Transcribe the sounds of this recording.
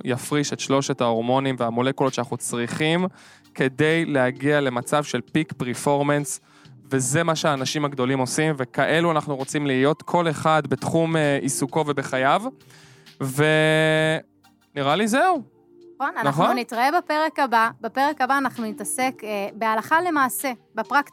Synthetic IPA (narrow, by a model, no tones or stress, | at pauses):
jafʁiʃe̞tʃlo̞ʃe̞tao̞ʁmo̞nimveamole̞kulo̞t̪ʃeanaχut͡sʁiχim | kʰe̞dejleaɡiale̞mat͡savʃe̞lpikpeʁfo̞ʁmens | veze̞maʃeaːnaʃimaɡd̪o̞limo̞simve̞kaʔe̞luanaχnuʁo̞t͡simliːjo̞t̪kʰo̞le̞χad̪bet̪χumeʔisuko̞ve̞be̞χajav | ve | niʁalizeu | nχonanaχounitʁaebapeʁekababapeʁekabaːnaχnunitase̞kːbealaχale̞maːse̞bepʁak